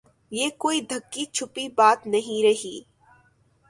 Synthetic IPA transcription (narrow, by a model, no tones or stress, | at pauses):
jeːkoːid̪ʱɐkːit͡ʃʰʊpibaːt̪nɐɦĩɾɐɦiː